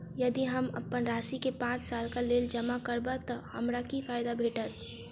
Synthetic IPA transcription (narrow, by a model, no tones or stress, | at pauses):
jɐd̪iɦəmə̰pənɾaːʃikepãːt͡ʃsaːlkaleːld͡ʒəmakəɾbat̪ɔhɐmɾakifaːjd̪abʱeːʈət̪̚